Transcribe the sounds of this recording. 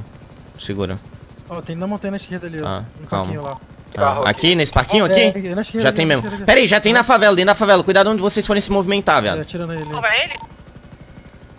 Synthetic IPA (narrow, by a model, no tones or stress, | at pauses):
sɪɡṵɾɐ̰ɔt̪ẽj̃nɐ̃mõt̪ẽj̃nɐʃked̪ɐliã̰kʰpa̰wmiɐ̃ɲla | a̰a̰kinesɪ̥paɾkĩɲʊakĩnɐʃkʒat̪ẽj̃mẽzmʊpɛɾɐiʒat̪ẽj̃nɐfavɛlɐd̪ẽd̪afavɛlɐkujd̪ad̪ʊõd͡ʒɪvosejsfoɾẽsɪmovimẽnt̪avia̰iɾɐ̃elvɐelɪ